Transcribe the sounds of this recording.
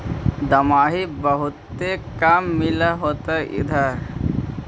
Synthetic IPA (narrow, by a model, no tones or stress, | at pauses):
d̪ɐmaːɦibəɦʊt̪ːekaːmːilaɦoːt̪aʔḭd̪ʱə